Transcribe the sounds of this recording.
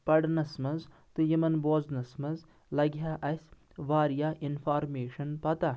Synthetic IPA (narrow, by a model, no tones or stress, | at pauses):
pɐɽnɐsmɐz | t̪ɨjimɐnboːznɐsmɐz | lɐɡjaːʔɐsʲ | ʋaːɾjaːʔinfʰaːɾmeːʂɐnpɐt̪a